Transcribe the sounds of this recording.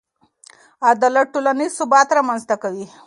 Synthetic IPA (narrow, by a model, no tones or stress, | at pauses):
ad̪alaʈolanizsʊbɑt̪ɾamanzt̪akawi